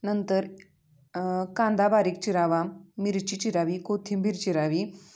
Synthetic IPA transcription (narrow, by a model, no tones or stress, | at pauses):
nənt̪əɾ | kãnd̪abaɾik̚t͡ɕiɾaʋamiɾt͡ɕit͡ɕiɾaʋikot̪ʰimbʱiɾt͡ɕiɾaʋi